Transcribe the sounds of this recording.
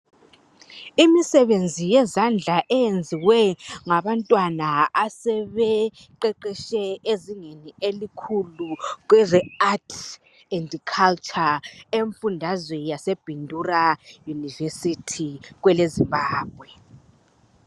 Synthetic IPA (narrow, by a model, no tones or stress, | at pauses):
imisɛβend͡zʱijɛzand͡ɮʱaʔɛjend͡zʱiwɛŋaβantʼwanaasɛβɛ | ǃɛǃɛʃɛeziŋenielikʰuluɣwɛzɛatʰ | ɛndkʰalt͡ʃʼaeɱfundʱazwɛjaseb̥ʱindʱurajunivesitʰiɣwɛlezimbaːb̥̚ʱwɛ